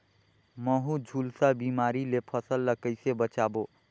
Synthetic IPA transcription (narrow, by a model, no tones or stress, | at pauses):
məɦũd͡ʒʱulsabimaɾilepʰəsəlːəkəɪsebət͡ʃabo